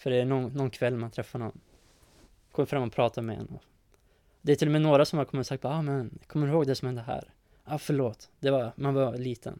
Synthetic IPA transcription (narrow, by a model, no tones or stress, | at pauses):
fœɖɛæɳɔnnːɔnkʰvɛlːmant̪ʰɾɛfːaɳɔnː | kʰɔmːəfɾamːɔpʰɾɑːt̪amɛɛ̰nːɔ | d̪ɛæɾtʰɪlːɔmɛnoːɾasɔmhaɾkʰɔmːəɾsakt̪baɑːmɛnkʰɔmːəɪɾhoːɡd̪ɛsɔmhɛnd̪əɦæ̰ːɾ | ɑfœɭoːt̪d̪̥ɛvamanvaliːt̪ʰə̰n